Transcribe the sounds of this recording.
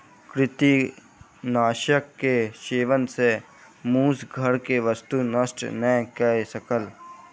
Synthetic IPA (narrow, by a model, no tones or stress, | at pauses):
kɾɪt̪i | naːʃəkːeʃeːʋənse | mũːsɡʱəɾkeʋəst̪unəsʈnɛ̃kəesəkəl